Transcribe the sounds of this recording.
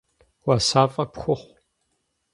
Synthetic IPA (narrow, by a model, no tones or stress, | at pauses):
wasaːfʼɐpxʷʊχʷ